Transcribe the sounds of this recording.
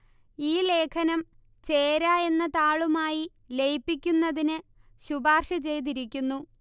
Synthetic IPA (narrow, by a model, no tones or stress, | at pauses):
iːle̞ːkʰɐnɐm | t͡ɕe̞ːɾae̞nːɐt̪aːɭumaːji | lejpːikʲːunːɐðinɨ | ɕubaːrʂɐt͡ɕe̞jt̪̬iɾikʲːunːu